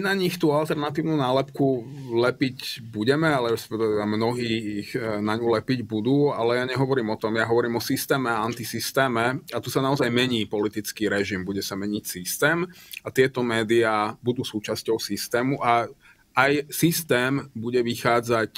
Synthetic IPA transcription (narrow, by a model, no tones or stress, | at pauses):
inaɲixt̪uːalt̪ɛɾnat̪iːʊnuːnaːlɛpkulɛpicbuɟɛmɛalɛɾɛspɛkt̪bamnɔɦiːiɣnaɲulɛpiɟbud̪uːalɛjaːɲɛɦɔʋɔɾiːmɔt̪ɔmjaɦɔʋɔɾiːmɔsist̪ɛːmɛaant̪isist̪ɛːmɛat̪usanaɔzajmɛɲiːpɔlit̪it͡skiːɾɛʒimbuɟɛsamɛɲicsist̪ɛːmat̪ɪɛt̪ɔmɛːd̪iaːbud̪uːsuːt͡ʃascɔʊsist̪ɛːmuʔa | ajsist̪ɛːmbuɟɛʋixaːd͡zac